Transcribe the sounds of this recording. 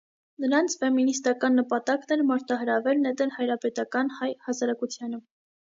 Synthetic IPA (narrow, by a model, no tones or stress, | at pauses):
nəɾɑnt͡sʰfɛminist̪ɑkɑnːəpɑt̪ɑknɛɾmɑɾt̪ɑɦəɾɑvɛlnɛd̪ɛlhɑjɾɑpɛt̪ɑkɑnhɑjhɑsɑɾɑkut͡sʰjɑnə